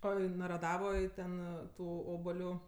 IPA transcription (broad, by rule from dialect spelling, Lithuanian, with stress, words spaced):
ˈoː ɪ nɐrɐˈdɑːʋoːj ˈtʲɛn ˈtuː ˈoːbɐlʲʊ